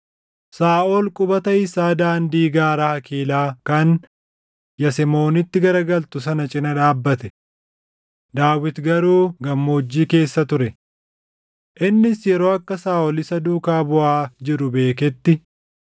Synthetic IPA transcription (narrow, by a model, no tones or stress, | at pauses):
saːʔolkʼʊbɐt̪ɐɪsaːd̪aːnd̪iːɡaːɾɐhɐkʰiːlaːkɐn | jɐsɛmo̞ːnɪt̪ːɪɡɐɾɐɡɐlt̪ʊs̬ɐnɐt͡ʃʼɪnɐᶑ̪aːbːɐt̪ɛ | d̪aːwɪt̪ɡɐɾuːɡɐmːoːd͡ʒːiːke̞ːsːɐt̪ʊɾɛ | ʔɪnːɪsjɛɾoːɐkːɐsaːʔɔlɪsɐd̪uːkaːbʊʔaːd͡ʒɪɾʊbe̞ːkɛt̪ːɪ